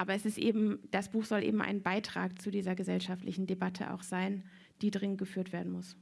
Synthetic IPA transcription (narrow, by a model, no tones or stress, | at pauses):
ʔaːbɐɛsɪstʔḛːbm̩d̥asb̥uːxz̥ɔlʔḛːbm̩ʔa̰ɪnbaɪtʁ̥a̰ːk̚t͡sudiːzɐɡəzɛlʃaftlɪçn̩debatʰə̰ʔa̰ʊxz̥aɪn | d̥iːdʁɪŋənt̚ɡ̥əfyːɐtv̥eːɐdn̩mʊs